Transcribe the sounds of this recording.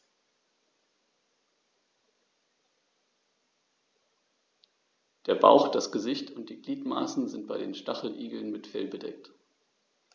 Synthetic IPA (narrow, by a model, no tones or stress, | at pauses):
d̥eːɐba̰ʊxd̥asɡ̥əzɪçtʰʊnt̚d̥iːɡliːtma̰ːsn̩zɪnt̚b̥aɪdḛːnʃtaχl̩ʔiːɡl̩nmɪtfɛ̰lbədɛ̰k̚t